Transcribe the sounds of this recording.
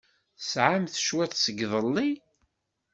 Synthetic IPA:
sʕamθəʃwæθsəɡðˤəlːi

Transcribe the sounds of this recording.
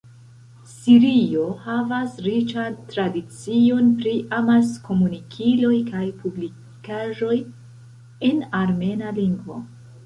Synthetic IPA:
siɾio̞havasɾit͡ʃantɾadit͡sio̞npɾiʔamasko̞munikʰilo̞jkajpubli | kaʒo̞j | e̞naɾme̞naliŋɡvo̰

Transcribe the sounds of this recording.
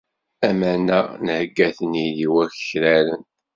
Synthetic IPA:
æmænænhɡːæθəniðiwæçə̥çɾælən

